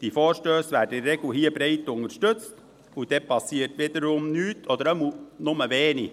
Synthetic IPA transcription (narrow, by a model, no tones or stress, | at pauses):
d̥ifoːɾʃtøːsʋæːɾdəɪɾɛɡ̥l̩hiːəbɾɛɪtʊŋəɾʃtɵt͡st | ud̥ɛpʰɑsːiːətʋɪd̥̪əɾʊmnyːtʰɔd̪əɾəmlnʊməʋeːni